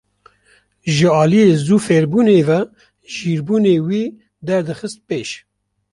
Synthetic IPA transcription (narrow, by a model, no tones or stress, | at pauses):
ʒɨɑːlijeːzuːfeɾbuːneːvɛ | ʒiːɾbuːneːwiː | d̪ɛɾd̪ɨxɨst̪̚peːʃ